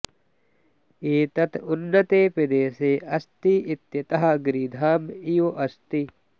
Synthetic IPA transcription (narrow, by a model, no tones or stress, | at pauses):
eːt̪ɐt̪unːɐt̪eːpɪd̪eːseːʔɐst̪iʔit̪jɐt̪ɐɦɐɡɾiːd̪ʱaːmijuʔɐst̪i